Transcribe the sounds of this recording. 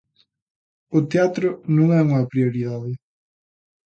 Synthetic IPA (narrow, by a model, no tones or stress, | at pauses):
ʊt̪eat̪ɾʊnõŋɛuŋɐpɾioɾiðaðɪ